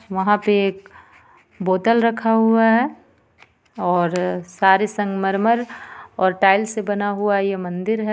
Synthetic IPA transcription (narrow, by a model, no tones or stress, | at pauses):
ʋɐɦãpeeːk̚ | boːt̪əlɾɐkʰaɦuaɦɛː | ɔːɾsaːɾesɐ̃ŋɡmɐɾməɾɔːɾʈaːɪlsebɐnaɦuajemɐ̃nd̪ɪɾɦɛ